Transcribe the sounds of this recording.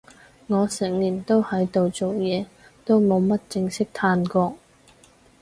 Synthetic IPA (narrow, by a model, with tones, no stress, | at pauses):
ŋɔː˨˧sɛ˨˩ŋliː˨˩nt̪o˥whɐ˨˥jt̪o˨wt͡so˨wjɛː˨˧ | t̪o˥wmo˨˧wmɐ˥t̚t͡sɪ˧ŋsɪ˥k̚t̪ʰaː˧nkɔː˧k̚